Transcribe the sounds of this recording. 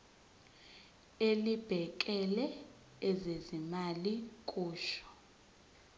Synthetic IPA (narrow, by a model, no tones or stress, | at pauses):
elib̥ʱɛk̬ʼɛlɛː | zezimalikʼuːʃɔ̥